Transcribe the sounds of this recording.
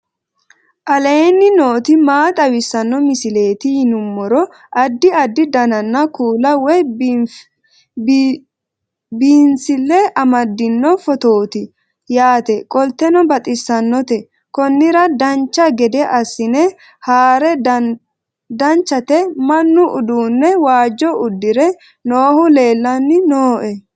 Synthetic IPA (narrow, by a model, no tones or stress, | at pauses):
ʔɐleːnːɪno̞ːt̪ɪmaːt̪ʼɐwɪsːɐnːɔmɪsɪle̞ːt̪ɪjɪnʊmːɔɾɔ | ʔɐd̪ːɪɐd̪ːɪd̪ɐnɐnːɐkuːlɐwɔj | biːnsɪlːɛʔɐmɐd̪ːɪnːɔfɔt̪o̞ːt̪ɪ | jaːt̪ɛkʼɔlt̪ːɛnɔbɐt̪ʼɪsːɐnːɔt̪ɛ | kɔnːɪɾɐd̪ɐnt͡ʃːɐɡɛd̪ɛʔɐsːɪnɛ | haːɾɛ | d̪ɐnt͡ʃːɐt̪ɛmɐnːʊʔʊd̪uːnːɛwaːd͡ʒːɔʊd̪ːɪɾɛ | noːhʊle̞ːlːɐnːɪnoːʔɛ